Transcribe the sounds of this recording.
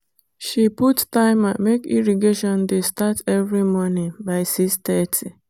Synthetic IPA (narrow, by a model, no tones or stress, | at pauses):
ʃiputtaɪmamekḭɾiɡeʃɔndestatevɾimɔnɪ̃baɪsistɛtʰi